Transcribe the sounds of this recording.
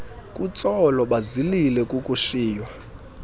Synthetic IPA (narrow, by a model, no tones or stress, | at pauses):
kʼut͡sʼɔlɔɓazililɛkʼukʼuʃiːjwa